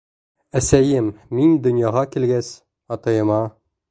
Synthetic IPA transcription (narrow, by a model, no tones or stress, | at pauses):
æsæjɘmːind̪ɵ̆njɑʁɑkilɡæs | ɒt̪ɤjɤ̆mɑ